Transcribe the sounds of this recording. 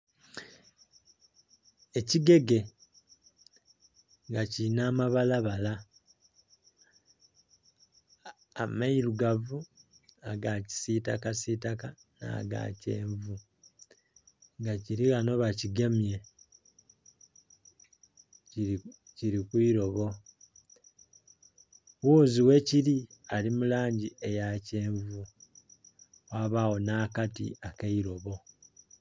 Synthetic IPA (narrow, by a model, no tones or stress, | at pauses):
eciɡe̞ɡe̞ | ŋɡacinaːmaβalaβala | amaiɾuɡavu | aɡaci̥sitakasitaka | na̰ɡa̰ːce̞ːɱvu | ŋɡaciɾiɣano̞βaciɡe̞mje̞ | ciɾikwiɾo̞βo̞ | wuːziwe̞ciɾialimulaːɲɟiʔe̞jace̞ːɱvu | waβawo̞nakatḭakaiɾo̞βo̞